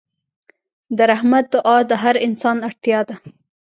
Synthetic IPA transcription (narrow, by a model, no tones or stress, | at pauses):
d̪əɾahmat̪̚d̪ʊʔɑd̪əɦaɾɪnsɑnaɽt̪jɑd̪a